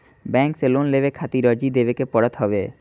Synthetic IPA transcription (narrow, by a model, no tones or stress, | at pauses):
bɛŋkselonlebekʰat̪iɾɔd͡ʑid̪ebekepɔɽɔt̪ɦɔbe